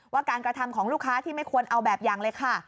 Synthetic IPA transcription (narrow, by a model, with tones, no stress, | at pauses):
waː˥˩kaː˧nkɾa˧t̪ʰa˧mkʰɔː˩˦ŋlu˥˩kʰːaː˦˥t̪ʰiː˥˩ma˥˩jkʰu˧ənʔa˧wbɛː˨˩p̚jaː˨˩ŋlɤː˧jkʰa˥˩